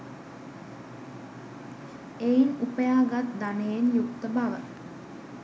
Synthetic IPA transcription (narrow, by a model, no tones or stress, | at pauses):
einupəjaːɡat̪d̪anejenjukt̪əbaʋə